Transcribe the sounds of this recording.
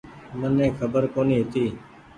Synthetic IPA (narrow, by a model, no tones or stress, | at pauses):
mənːɛ̃ːkʰəbəɾkoːniːɦet̪iː